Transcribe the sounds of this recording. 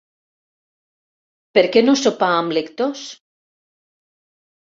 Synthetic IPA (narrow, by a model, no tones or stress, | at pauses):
peɾkenosopaːmlekt̪os